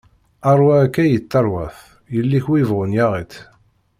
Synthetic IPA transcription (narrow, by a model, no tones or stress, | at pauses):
ɑɾˤwækːæjət̪ːɑɾˤwæ̰θ | jəlːiçwivʁʊnjaʁit̪